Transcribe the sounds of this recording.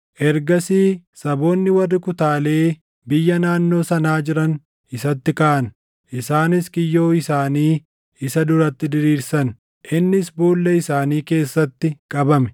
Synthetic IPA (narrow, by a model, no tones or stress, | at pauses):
ʔɛɾɡɐsiːsɐbo̞ːnːɪwɐrːɪkʊt̪aːle̞ː | bɪjːɐnaːnːo̞ːsɐnaːd͡ʒɪɾɐn | ʔɪsɐt̪ːɪkaːʔɐn | ʔɪsaːnɪskɪjːo̞ːɪsaːniː | ɪsɐd̪ʊɾɐt̪ːɪd̪ɪɾiːɾsɐn | ʔɪnːɪsbuːlːɛɪsaːniːke̞ːsːɐt̪ːɪkʼɐbɐmɛ̥